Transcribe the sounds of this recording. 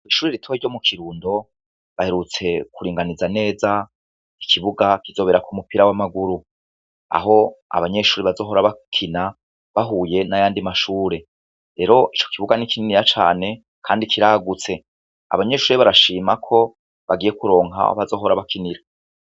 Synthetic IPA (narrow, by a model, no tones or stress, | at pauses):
iʃuːɾiɾitʰoiɾɟo̞mukʰiɾuːndo̞ | βaheɾut͡se̞kuɾiːŋɡanizane̞ːza | ikʰiβuɡakizo̞βe̞ɾakumupiɾawamaɡuɾu | a̰ɦo̞a̰βaɲe̞ʃuːɾiβazo̞ːɦo̞ɾaβakʰina | βaɦuːje̞najaːndimaʃuːɾe̞ | ɾe̞ɾo̞ʔit͡ʃo̞̥kiβuɡanikininiɾat͡ʃa̰ːne̞ | kʰaːndikʰiɾaːɡut͡se̞ | a̰βaɲe̞ʃuːɾeβaɾaʃiːmakʰo̞ | βaɡije̞kuɾo̞ːŋɦa̰o̰βazo̞ːɦoɾaβakʰiniɾa